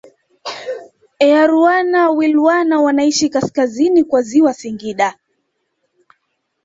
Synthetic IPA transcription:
ɛaɾuanawiluwanawanaiʃikaskazinikwaziwasiŋɡiɗa

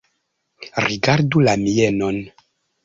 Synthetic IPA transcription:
ɾiɡaɾdulamijeno̞n

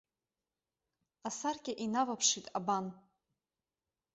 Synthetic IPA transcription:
asarkʲʼaʔinavapʰʂitʼaban

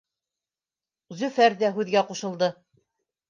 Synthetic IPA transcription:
zʉfæɾdæɦʉðɡæquʃɤ̆lˠd̪ɤ

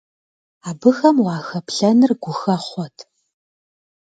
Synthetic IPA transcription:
aːbɨxɐmwɑːxɐpʰɬɐnɨrɡʷʊxɐχʷɔtʰ

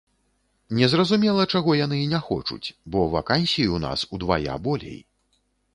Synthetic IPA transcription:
nʲɛzrɐzumʲɛlˠɐt͡ʂaɣɔjan̪ɨinʲaxɔ̰t͡ʂṵt͡sʲbɔva̰kanʲsʲijiuna̰sud̪vaja̰bɔlʲɛ̰j

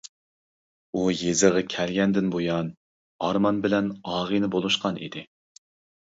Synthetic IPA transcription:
ujezɨʁɑkʲʰɛlɡʲɛnd̪ɪnbojɑn | ɑɾmɑnbɪlɛnɑːʁɨjnɨbolˠuʃqɑnḭd̪ɪ

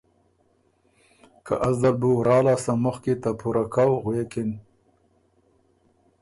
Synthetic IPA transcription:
ka̰ʔazd̪albuɾɑːlasamʊxket̪apuɾakawɣwekɪn

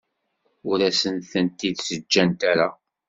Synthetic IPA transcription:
ʊɾæsənθənt̪id̪səd͡ʒːænt̪æɾa

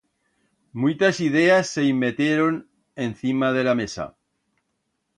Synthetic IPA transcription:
mujt̪asið̞easːeimːet̪jeɾon | en̟θimað̞e̞lamesa̰

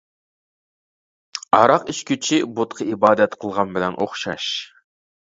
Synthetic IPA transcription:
ɑɾɑqiʃkʲʰyt͡ʃʰibot̪qʰəibɑːd̪ɛt̪qʰəlˠʁɑnbɪlɛnʔo̰χʃɑ̰ʃ

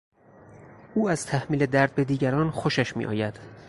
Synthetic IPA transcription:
ʔuːæz̥t̪ʰæhmiːle̞d̪æɾd̪̚be̞d̪iːɟæɾɒːnxoʃæʃmḭʔɒ̰ːjæd̪̥

